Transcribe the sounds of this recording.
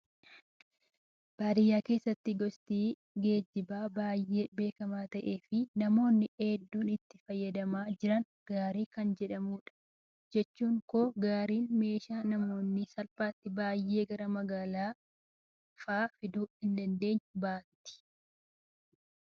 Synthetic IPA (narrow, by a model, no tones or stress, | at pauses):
b̥aːd̪ɪjːaːke̞ːsːɐt̪ːɪɡɔst̪iː | ɡe̞ːd͡ʒɪbaːbaːjːe̞ːbe̞ːkɐmaːt̪ɐʔe̞ːfɪnɐmo̞ːnːɪʔeːd̪ːuːnɪt̪ːɪfɐjːɐd̪ɐmaːd͡ʒɪɾɐn | ɡ̥aːɾiːkɐnd͡ʒɛᶑɐmuːᶑɐ̥ | d͡ʒɛt͡ʃːuːŋkoːɡaːɾiːnme̞ːʃaːnɐmo̞ːnːɪsɐlfaːt̪ːɪbaːjːe̞ːɡɐɾɐmɐɡaːlaː | faːfɪd̪uːhɪnd̪ɐnd̪e̞ːɲːʊbaːt̪ɪ̥